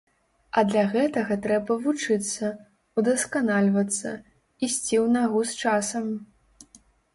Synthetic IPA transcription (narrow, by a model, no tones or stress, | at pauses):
ɐd̪lʲaɣɛt̪ɐɣɐt̪ɾɛbɐvut͡ʂɨt̪sːɐ | ud̪ɐskanalʲvɐt̪sːɐ̰ | isʲt͡sʲiwnaɣust͡ʂasɐm